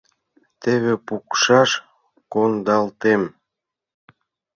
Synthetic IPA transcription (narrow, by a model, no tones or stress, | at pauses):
t̪eβepukʃɑʃ | kond̪ɑlt̪em